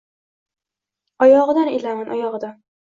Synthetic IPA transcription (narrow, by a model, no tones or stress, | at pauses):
ɒjɒʁɨd̪anelamanʔɒjɒʁɨd̪an